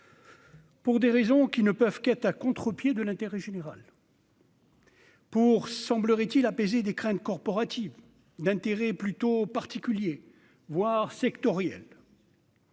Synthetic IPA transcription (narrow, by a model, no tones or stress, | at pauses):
puʁd̪eʁezɔ̃kʲinəpœvkɛt̪χakɔ̃t̪χəpjed̪əlɛ̃t̪eʁɛʒeneʁa̰l | puʁsɑ̃bləʁɛt̪ilapezed̪ekχɛ̃t̪kɔʁpɔʁat̪iv | d̪ɛ̃t̪eʁɛplyt̪opaʁt̪ikʲylje | vwaʁsɛkt̪ɔʁjɛ̰l